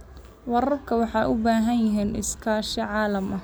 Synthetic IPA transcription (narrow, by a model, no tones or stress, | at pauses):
wɑɾɐrkʰɐwɑħɑjʔʊbaːɦɐnjɪɦiːnʔɪ̰skʰaːʃɛʕɑːlɐmɐ